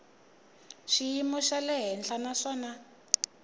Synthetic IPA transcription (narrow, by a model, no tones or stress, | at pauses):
ʃijimuʃalɛɦɛnɬanaʂɔːna